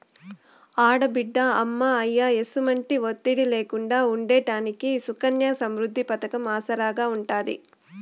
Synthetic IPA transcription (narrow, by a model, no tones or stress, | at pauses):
aːɽɐbiɖːɐɐmːaɐjːaːe̞sumɐɳʈiʋot̪ːiɽileːkuɳɖaːuɳɖeːʈaːnikisukɐnjasɐmɾud̪ʱːipɐt̪ɐkɐmaːsɐɾaːɡaːuɳʈaːd̪ḭ